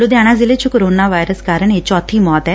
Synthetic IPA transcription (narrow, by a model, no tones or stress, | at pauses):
lod̪jaɽ̃ad͡zilet͡ɕukoɾonaʋajɾəskaɾəɳet͡ɕɔt̪ʰiːmɔt̪ɛ